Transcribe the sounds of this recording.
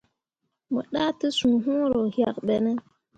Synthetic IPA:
mə̰˨ɗa˦tə˦sũ˨ɦũ˦ɾo˨hja˨kɓɛ˨nə˦

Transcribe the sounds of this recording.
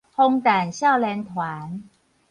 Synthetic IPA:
ho˧ŋt̪a˨˩nɕja˥˩wlɛ˧nt̪ʰwaː˨˩˦n

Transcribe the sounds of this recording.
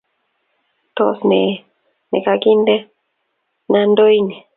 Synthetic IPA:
t̪o˦sne˨ | nḛ˨ka˦˧ki˦nd̪e˦ | na˦nd̪o˦i˦ni˨

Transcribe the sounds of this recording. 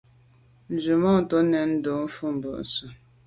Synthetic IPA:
n̩˨d͡ʒu˨mɔ˦˨tɔ˦nɛ˨n̩˦do˨˦fu˦m̩˨bə˨ʔsə˨

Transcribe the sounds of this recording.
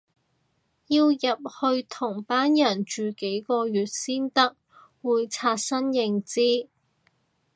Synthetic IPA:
jiː˧wjɐ˨p̚hɵ˧ɥt̪ʰʊ˨˩ŋpaː˥njɐ˨˩nt͡ʃyː˨ke˨˥jkɔː˧jyː˨t̚siː˥nt̪ɐ˥k̚ | wuː˨˧jt͡sʰaː˧t̚sɐ˥njɪ˧ŋt͡siː˥

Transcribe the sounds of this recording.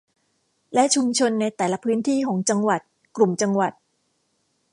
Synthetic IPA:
lɛ˦˥ʔt͡ɕʰu˧mt͡ɕʰo˧nːa˧jt̪ɛː˨˩la˦˥pʰɯː˦˥nt̪ʰiː˥˩kʰɔː˩˦ŋt͡ɕa˧ŋwa˨˩t̪̚ | klu˨˩mt͡ɕa˧ŋwa˨˩t̪̚

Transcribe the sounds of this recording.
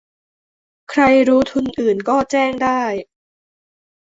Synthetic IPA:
kʰɾa˧jɾuː˦˥t̪ʰu˧nʔɯː˨˩nkɔː˥˩t͡ɕɛː˥˩ŋdaː˥˩j

